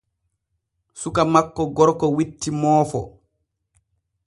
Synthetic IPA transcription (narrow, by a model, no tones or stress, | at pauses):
sukamakːɔɡɔɾkɔwitːimɔːfɔ̰